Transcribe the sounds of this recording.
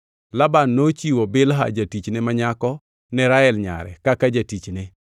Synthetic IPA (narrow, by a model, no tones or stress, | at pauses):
labanːot͡ʃiwobɪlɦa̰d͡ʒatit͡ʃnemaɲakɔ | nɛɾaɛlɲa̰ɾɛ̰kakad͡ʒatit͡ʃne